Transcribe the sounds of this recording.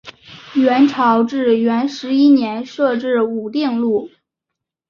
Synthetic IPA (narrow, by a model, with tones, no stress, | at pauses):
ɥɛ˧˥nʈ͡ʂʰɑ˧˥ʊʈ͡ʂɻ̩˥˩ɥɛ˧˥nʂɻ̩˧˥i˥njɛ˧˥nʂɤ˥˧ʈ͡ʂɻ̩˥˩u˨˩t̪ji˥˧ŋlu˥˩